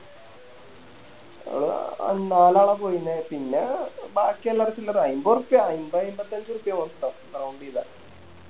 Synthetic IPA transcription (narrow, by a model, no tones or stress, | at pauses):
ɽ̰naːlaːɭɐpoːjunːepinːebaːkːialːɐrt͡ɕːilːɐɾɐjmbɐrupːjɐɐjmbɐɐjmbɐt̪ːɐɲd͡ʑurupːijɐʋɐnt̪ːɐmkrɐwɳɖiða